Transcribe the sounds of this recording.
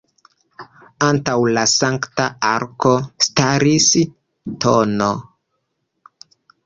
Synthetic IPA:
antawlasaŋktaaɾko̞staɾis | tʰono

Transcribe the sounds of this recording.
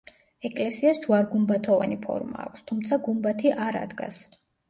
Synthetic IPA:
ɛkʼlɛsiasd͡ʒwaɾɡumbat̪ʰɔvanipʰɔ̰ɾmaːkʷʰst̪ʰumt̪sʰaɡumbat̪ʰiʔaɾa̰d̪ɡa̰s

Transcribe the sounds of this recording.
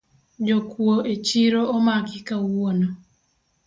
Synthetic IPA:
d͡ʒokwoʔet͡ʃiɾoomakɪkawono

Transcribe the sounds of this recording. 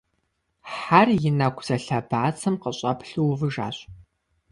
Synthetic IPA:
ħarjɪnɐkʷʰz̥ɐɬɐbaːt͡sʰɐmqəɕʼɐpʰɬuwvɨʒa̰ːɕʼ

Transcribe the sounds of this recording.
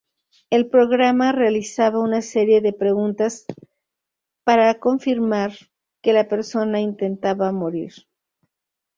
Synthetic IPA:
e̞lpɾo̞ɣɾamarealisaβaunase̞ɾje̞ðe̞pɾe̞ɣunt̪as | paɾako̞ɱfiɾmaɾ | ke̞lape̞ɾso̞naint̪e̞nt̪aβamoɾḭɾ

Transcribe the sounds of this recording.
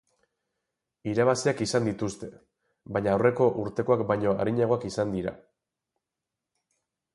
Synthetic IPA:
iɾaβasiakisand̪it̪ust̪e̞ | βaɲaːwre̞ko̞ʔuɾt̪e̞ko̞akbajɲo̞a̰ɾiɲaɣ̞o̞akisand̪iɾa̰

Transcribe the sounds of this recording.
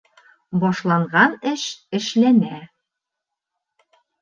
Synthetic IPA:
bɒʃlˠɑɴʁɑnɘʃɘ̆ʃlænæ

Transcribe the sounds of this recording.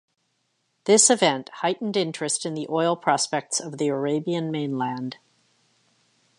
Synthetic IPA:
ðɪsɨvɛ̃nʔhaɪʔn̩dɪ̃nt͡ʃɹ̥ɨstɨ̃nðiʔɔɪlˠpʰɹ̥ɑspɛk̚tsʌvðiə˞eɪbiɨ̃nmẽɪ̃nlæ̃nd̥

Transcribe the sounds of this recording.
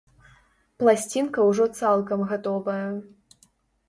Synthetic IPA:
plˠasʲt͡sʲinkɐwʐɔt̪salˠkɐmɣat̪ɔvɐjɐ

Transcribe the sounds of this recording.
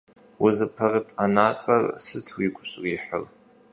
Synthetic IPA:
wʊzɨpʰɐrɨtʰʼanaːt͡sʼɐ̰rsɨtʰwiːɡʷʊɕʼriːħər

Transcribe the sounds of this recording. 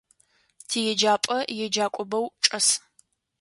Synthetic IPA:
tʰiːjɛd͡ʒaːpʼɐjɛd͡ʒaːkʷʼɔbɐwʈ͡ʂʼɐs

